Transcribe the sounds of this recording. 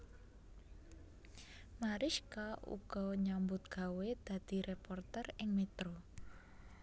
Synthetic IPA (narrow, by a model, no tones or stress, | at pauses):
maɾɪʃkaʔṵɡ̥ɔɲambʊt̪̚ɡ̥a̤wed̪̥ä̤d̪̥i̤ɾepɔrt̪ɛrɪŋmet̪ɾo